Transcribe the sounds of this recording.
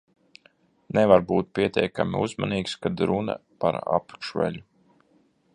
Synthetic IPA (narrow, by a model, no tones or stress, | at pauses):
nɛvaɾbuːt̪̚pʲiɛt̪ʲɛjkamḭuzmaniːkskad̪ɾuna̰pa̰ɾa̰pʃvɛ̰lʲu